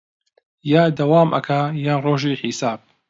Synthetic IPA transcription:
jaːd̪ɐwaːmʔɐ̰kʰajaːnroːʒiːħisaːb̚

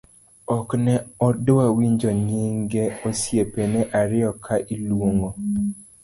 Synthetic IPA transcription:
ɔknɛɔdwawiɲd͡ʒɔɲiŋɡeosjepeneʔaɾɪɔkʰaʔilwoŋo

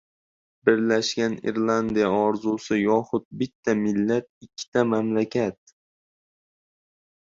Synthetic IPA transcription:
bɪɾlaʃɡʲanɪ̰ɾlˠand̪ijaɒɾzusɪjɒχʊt̪̚bɪt̪ʰːamɪlːat̪̚ɪkʲʰːɪ̥t̪ʰamamlakʲʰat̪̚

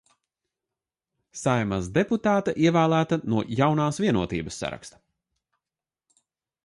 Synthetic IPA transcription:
sajmasd̪eput̪aːt̪aʔiɛvæːlˠæːt̪ɐnuɔjawnaːsviɛnuɔt̪ḭːbɐsːa̰ɾa̰kst̪ɐ̥

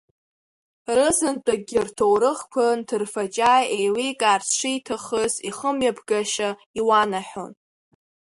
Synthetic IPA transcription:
rɨzɨnt͡pʷʼaɡʲɪrtʰowɾɨχkʷʰantʰɨrfat͡ʃʼajejwikʼart͡sʰʂʷitʰaχəziχəmjabʰɡaʃa | iwanaħᶣo̰n

